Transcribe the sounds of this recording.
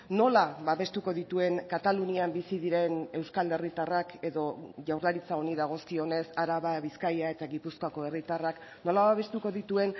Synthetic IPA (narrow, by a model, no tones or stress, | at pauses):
no̞laβaβe̞st̪uko̞ðit̪ue̞ŋkat̪aluniambisiðiɾe̞ne̞wskale̞rit̪arake̞ðo̞ʝawɾlaɾit͡saoniðaɣ̞o̞skio̞ne̞saɾaβaβiskajae̞t̪aɣipuskako̞e̞rit̪arak | no̞laβaβe̞st̪uko̞ðit̪ue̞n